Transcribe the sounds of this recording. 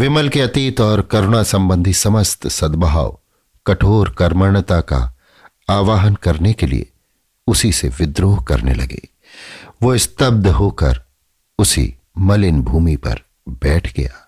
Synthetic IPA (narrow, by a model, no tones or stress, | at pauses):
ʋɪməlkeɐt̪iːt̪ɔːɾkɐɾɽ̃asɐ̃mbə̃nd̪ʱisɐməst̪sɐd̪baɦa̰ːʋ | kɐʈʰoːɾkɐɾməɳ̃t̪aka̰ | aːʋaːɦənkɐɾnekelḭḛ | ʊsiseʋɪd̪ɾoːɦkɐ̰ɾnḛlɐ̰ɡḛː | ʋoɪst̪əb̚d̪ɦoːkɐ̰ɾ | ʊsḭ | mɐlɪnbʱuːmipɐ̰ɾ | bɛːʈʰɡɐ̰jaː